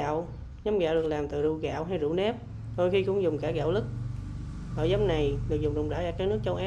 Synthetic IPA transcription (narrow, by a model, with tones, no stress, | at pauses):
a̰˧˨w | ɲa˨˦mɣa̰ː˧˨wɗɨ˨˩ək̚laː˨˩mt̪ɨ̰˧˨ɗu˧ɣa̰ː˧˨wɦa˧jzṵ˧˩˥nɛ˦˥p̚ | t̪o˧jxi˧kʊ̰˧˥ŋ͡mzʊ˨˩ŋ͡mkaː˧˩ɣa̰ː˧˨wlɨ˦˥k̚ | ʔəː˧˩za˨˦mna˨˩jɗɨ˨˩ək̚zʊ˨˩ŋ͡mzʊ̰˧˩ŋ͡mzaː˧˩aː˧kaː˦˥k̚nɨ˦˥k̚t͡ɕə˧wʔaː˦